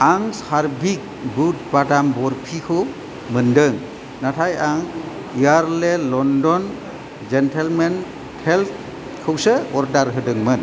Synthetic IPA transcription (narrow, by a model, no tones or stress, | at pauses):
aŋsaɾbik̚but̚badambɔɾpʰikʰɯw | mɯndɯŋ | natʰajaŋ | ijaɾlelɔndɔn | d͡ʒentʰelmen | tʰelt̚ | kʰɯwsəɔɾdaɾɦɯdɯŋmɯn